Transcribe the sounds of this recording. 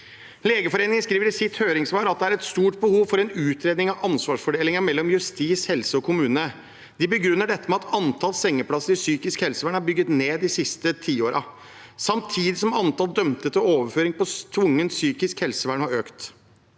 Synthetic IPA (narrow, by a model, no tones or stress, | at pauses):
leːɡəfɔɾeːnɪŋənskɾiːʋəɾɪsɪt̪høːɾɪŋsʋɑːɾɑt̪̚d̪ɛæɾɛt̪st̪uːʈbəhuːʋfɔɾɛnʉːt̪ʰɾeːd̪nɪŋɑʔɑnsʋɑːʂfɔɖeːlɪŋɑmɛlːɔmjʉst̪iːshɛlsəɔkʰʊmʉːnə | d̪ɪbəɡɾʉnːəɖɛt̪ːəmɛɑt̪ɑnt̪ʰɑlsɛŋːəpʰɽɑsəɾɪsyːkɪskhɛlsəʋæːɳhɑbʏɡːət̪neːd̪ɪsɪst̪ət̪ʰiːoːɾɑ | sɑmt̪ʰiːd̪ɪsɔmɑnt̪ɑld̪œmt̪ət̪ɔoːʋəɾføːɾɪŋpɔt̪ʰʋʊŋːənsyːkɪskhɛlsəʋæːɳhɑɾøːkt̪